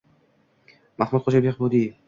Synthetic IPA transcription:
mahmut̪χʰod͡ʒabeqbod̪ij

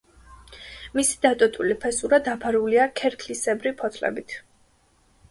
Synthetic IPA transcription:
misi̥d̪at̪ʼɔt̪ʼulipʰɛsuɾad̪apʰaɾuliakʰɛɾkʰlisɛbɾipʰɔt̪ʰlɛ̰bit̪ʰ

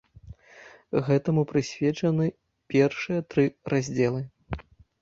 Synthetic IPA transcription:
ɣɛt̪ɐmupɾɨsʲvʲɛt͡ʂɐnɨ | pʲɛrʂɨjɐt̪ɾɨrazʲd͡zʲɛlˠɨ

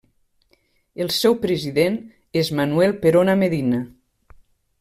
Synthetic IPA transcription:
elˠsɛwpɾeziðen | ezmanuɛlˠpeɾonameðina

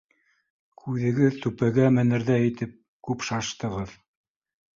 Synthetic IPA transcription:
kʰʉðɘ̆ɡɘðt̪ʉpæɡæmɘ̆nɘ̆ɾðæĭt̪ɘp̚ | kʉpʃɑʃt̪ɤ̆ʁɤð

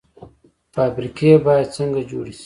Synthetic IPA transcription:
faːbɾikebɑjad̪̚t͡səŋɡad͡ʒoɽisi̥

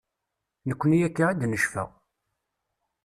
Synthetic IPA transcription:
nəkʷːnijækːaæd̪nəʃfæ̰

